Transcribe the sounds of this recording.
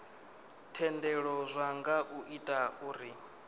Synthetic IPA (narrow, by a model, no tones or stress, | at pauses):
tʰɛndɛɺɔzʷaŋɡaʔuʔitʼauːɾi